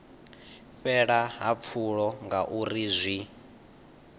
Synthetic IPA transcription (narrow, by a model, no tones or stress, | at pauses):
ɸɛɺaɦap̪fʰuɺɔŋɡaʔuɾizʷi